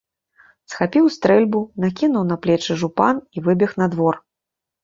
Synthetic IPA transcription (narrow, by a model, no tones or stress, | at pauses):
sxapʲiwst̪ɾɛlʲbunakʲinuwn̪ɐplʲɛt͡ʂɨʐupanivɨbʲɛxnad̪vɔr